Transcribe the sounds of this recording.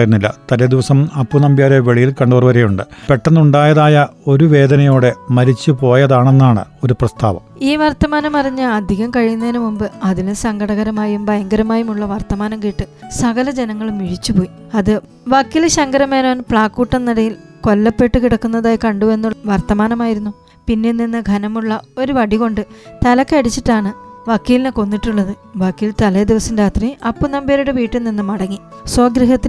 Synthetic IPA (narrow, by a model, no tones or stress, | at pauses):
jɾunːilːɐ̰t̪ɐled̪iʋɐsɐmɐpːunɐmbjaːɾeʋeɭijilkɐɳɖuɐrʋɐɾɐjuɳɖɨpe̞ʈːɐnːuɳɖaːjɐðaːjɐo̞ɾuʋe̞ːd̪ɐnɐjo̞ːɽe̞mɐɾit͡ɕːupo̞ːjɐðaːɳenːaːɳɨ̰o̞ɾuprɐst̪ʰa̰ːʋɐ̰miːʋɐrt̪ɐmaːnɐmɐrɐɲːɨɐd̪ʱiɣɐmkɐɻijunːɐðnumumbɨɐðilusɐŋɡɐɽɐɣɐɾɐmaːjumbʱɐjɐŋɡɐɾɐmaːjumuɭːɐʋɐrt̪ɐmaːnɐmkiːʈːɨsɐɣɐlɐd͡ʑenɐŋːɐɭumːiɻit͡ɕːupo̞ːji | ɐðɨ | ʋɐkːiːlɕɐŋɡɐɾɐmeːnoːnpɭaːkːuːʈːɐnːiɽɐjilko̞lːɐpːe̞ʈːɨkiɽɐkːunːɐðaːjkɐɳɖuʋe̞nːuʋɐrt̪ɐmaːnɐmaːjiɾunːu | pinːe̞nːinːɨɡʱɐnɐmuɭːɐo̞ɾuʋɐɽiɣo̞ɳɖɨt̪ɐlɐkːɐɽit͡ɕːiʈːaːɳɨʋɐkːiːlineko̞nːiʈːuɭːɐðɨʋɐkːiːlt̪ɐled̪iʋɐsindeaːt̪riʔɐpːunɐmbeːɾuɽeʋiːʈːuninːɨmɐɽɐŋːisoːɡɾiɦɐt̪ːi